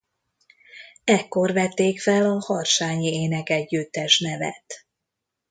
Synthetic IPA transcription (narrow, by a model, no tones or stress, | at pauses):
ɛkːo̞rvɛt̪ːeːkfɛlɒhɒrʃaːɲieːnɛkɛɟːyt̪ːɛʃnɛvɛ̰t̪